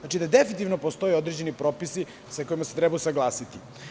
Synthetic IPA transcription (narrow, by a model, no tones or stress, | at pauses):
at͡ʃid̪ad̪efinit̪iʋnopost̪o̞jeod̪ɾed͡ʑe̞nipɾo̞ːpisi | sako̞jimaset̪ɾɛbajusaɡlˠaːsit̪i